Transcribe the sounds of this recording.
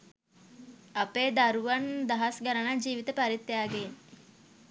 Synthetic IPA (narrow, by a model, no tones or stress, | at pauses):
ɐpeːd̪aɾuʋand̪aɦasɡaɾənad͡ʒiːʋit̪əpaɾit̪ːjaːɡen